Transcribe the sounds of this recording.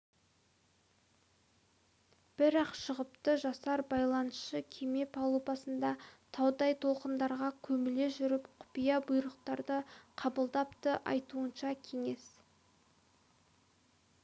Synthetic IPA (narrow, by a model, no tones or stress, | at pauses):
b̥ɪɾɑqʃəʁəp̚t̪əʒɑsɑɾbɑjlˠɑnəsʃəkʲʰeme̞pʰɑlˠopɑsənd̪ɑt̪ʰɑwd̪ɑjt̪ʰo̞lˠqənd̪ɑɾʁɑkʲʰɵmɪleʒʏɾɪpqʰʊ̥pijɑbʊjɾəqt̪ɑɾd̪əqʰɑbəlˠd̪ɑpt̪əʔɑ̰jt̪uənʃɑkʲʰe̞ŋe̞s